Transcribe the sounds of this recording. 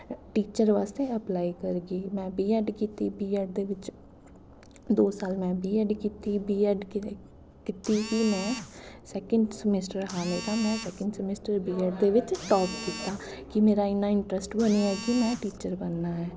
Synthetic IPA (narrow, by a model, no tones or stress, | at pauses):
ʈiːt͡ʃəɾʋaːst̪eəplaːikəɾɡiːmɛ̃ːbiːɛɖkiːt̪ibiːɛːɖ̚d̪eːʋɪt͡ʃ | d̪oːsaːlmɛ̃ːbʱiːɛɖkiːt̪ibiːɛɖ | kɪt̪ikimɛ̃ːsɛːkə̃ɳɖsəmɪsʈəɾɦaːmeːɾamɛ̃sɛːkə̃ɳɖsəmɪsʈəɾbiːɛːɖd̪eːʋɪt͡ʃʈɔːpkiːt̪aːkimeːɾaːɪnːaːɪɳʈɾəsʈbəniɛːkimɛ̃ːʈiːt͡ʃəɾbənːaːɦɛː